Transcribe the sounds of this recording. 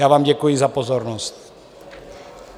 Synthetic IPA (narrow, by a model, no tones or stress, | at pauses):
jaːvaːmɟɛkujɪzapozoɾnost̪